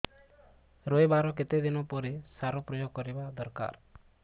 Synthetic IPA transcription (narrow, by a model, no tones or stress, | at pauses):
ɾojbaɾɔk̬et̪ed̪inɔpɔɾesaɾɔpɾɔjoɡ̚kɔɾibad̪ɔɾka̰ɾ